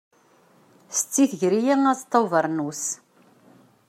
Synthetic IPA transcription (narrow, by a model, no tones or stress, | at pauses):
st͡sːiθʝɾijiŋæst̪ˤːowvəɾˤnus